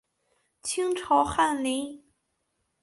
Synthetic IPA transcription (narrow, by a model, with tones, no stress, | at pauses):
t͡ɕʰi˥ŋʈ͡ʂʰɑ˧˥ʊxa˥˩nli˧˥˦